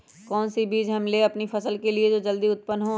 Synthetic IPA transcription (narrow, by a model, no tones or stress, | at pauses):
kɔːnsibiːd͡ʒɦɐmleɐpnifʰɐsəlkelied͡ʒod͡ʒɐld̪iʊt̪̚pənɦõ